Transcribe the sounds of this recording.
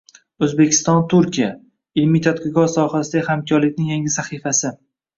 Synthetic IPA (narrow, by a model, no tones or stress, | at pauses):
ɵzbekʲʰɪ̥st̪ɒnt̪ʰʊɾkʲija | ɪlmijt̪ʰat̪qʰɪɡɒzsɒhasɪd̪aɡʲhamkʲʰɒɾlɪkʲnɪŋjaŋʲɪsaχifasɪ